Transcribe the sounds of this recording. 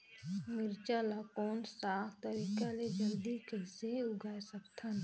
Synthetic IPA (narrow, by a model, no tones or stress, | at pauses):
mɪɾt͡ʃalakoːnsaːkt̪əɾiːkaled͡ʒɐld̪ikɛseʊɡʱaːjsəbt̪ʰan